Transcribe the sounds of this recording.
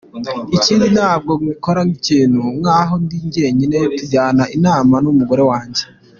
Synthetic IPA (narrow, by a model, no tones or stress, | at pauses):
iciːndinaːb̚ɡo̞βɡikoɾaŋiciːnhuŋaːɦo̞ndiːɲɟe̞ːɲinejotuɟaːnaʔinaːmanumuɡo̞ɾe̞waːɲɟe